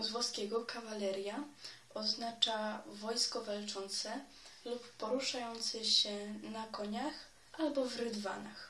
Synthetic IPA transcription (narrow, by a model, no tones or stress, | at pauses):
zvwɔskʲɛɡɔkavalɛɾʲja | ɔznat͡ʂavɔjskɔvalt͡ʂɔnt̪sɛ | lupːɔɾuʂajɔnt̪sɛɕɛnakɔɲax | albɔvɾɘd̪va̰na̰x